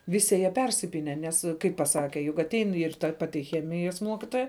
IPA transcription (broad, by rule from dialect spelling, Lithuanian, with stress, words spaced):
ˈʋʲɪsʲɪ jiɛ pʲɛrʲsʲɪˈpʲiːnʲɛ ˈnʲɛs kɐɪp pɐˈsɑːkʲɛ jʊk ɐˈtʲɛɪn ɪr tɐ ˈpɑːtʲɪ ˈxʲæːmʲɪjɛs ˈmuɔkʲɪtoːjɛ